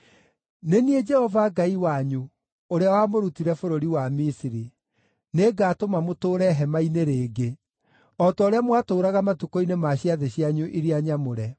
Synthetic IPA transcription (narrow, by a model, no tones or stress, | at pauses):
nenied͡ʒɛhɔvaɡaiwaɲu | oɾeawamoɾutiɾɛfoɾoɾiwamisiɾi | neɡaːtomamotoːɾɛɦɛmaineɾeːɡe | ɔtɔoɾeamwatoːɾaɣamatukoinemaɕiaðeɕiaɲuʔiɾiaɲamoɾɛ